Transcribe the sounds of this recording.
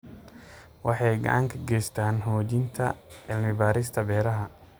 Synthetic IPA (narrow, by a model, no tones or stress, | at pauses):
wɑħɑjɡɐ̰ʕɑŋkʰɐɡɛjst̪ʰaːnɦɔːt͡ʃɪnt̪ʰɐ̰ʕɪlmɪbaːɾɪst̪ʰɐbɛːɾɐɦɐ